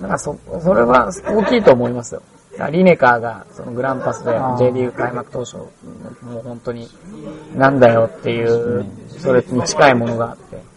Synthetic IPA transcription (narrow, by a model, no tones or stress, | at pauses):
nãŋkasoso̞ɾe̞βao̞ːkʲiːt̪o̞ːmo̞imasɨjo̞̰ | d̪a̰ɾʲine̞kaːɡaso̞̰no̞ɡɯ̟ɾãmpasɨd̪e̞e̞ːd̪ʲiːɯ̟kaimakɯ̟̥t̪o̞ːɕo̞̰ːmoːhõ̞nt̪o̞ɲ̟inãnd̪ajo̞t̪ːe̞jɯ̟ːso̞ɾeɲ̟it͡ɕi̥kaimo̞no̞ɡaːt̪ːe̞̰